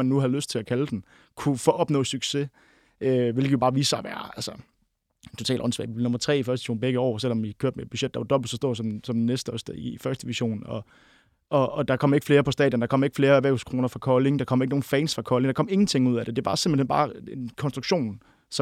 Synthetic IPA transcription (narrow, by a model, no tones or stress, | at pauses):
ænːuhæðˠløsd̥̚t͡sʰe̝ækʰæld̥en | kʰufɒʔɒ̽b̥nɔ̰̽ːsyɡ̥se̝ | øʋe̝lɡ̥ə̥jo̝bɑ̈ːʋiːsɑʋæɐælsɐ | t͡sʰo̝t͡sʰɛ̰ːldɒ̽nsʋɛ̰ːʋib̥lno̽mɐt͡sʰʁɛ̰ːifɶɐsd̥iɕo̝̰ːnbeɡ̥əɒ̰ːsel̰ɒ̽mikʰøɐd̥meed̥̚b̥yɕed̥ɑʋɑd̥ɒ̽b̥l̩ˠsɒ̽sd̥o̝ɐ̰sɒ̽msɒ̽mnesd̥əɒsd̥æifɶɐsd̥əʋiɕo̝̰ːnɒ̽ | ʔɒ̽ːd̥ɑ̈kʰɒ̽m̰e̝ɡ̥fle̝ːɐpʰɒ̽sd̥ɛ̰ːdjənd̥ɑ̈kʰɒ̽m̰ɐe̝ɡ̥fle̝ːɐæʋæ̰ːuskʰʁo̝ːnɐfʁɑ̈kʰɒleŋd̥ɑ̈kʰɒ̽m̰ɐe̝ɡ̥əno̝ːn̩fɛːnsfʁɑ̈kʰɒ̽leŋd̥ɑ̈kɒ̽m̰e̝ŋn̩t͡sʰe̝ŋ̰uð̞̰ˠæd̥e̝d̥e̝æbɑ̈ːsemb̥l̩hḛnbɑ̈ːenkʰɒnsd̥ʁuɡ̥ɕo̝̰ːn | sɒ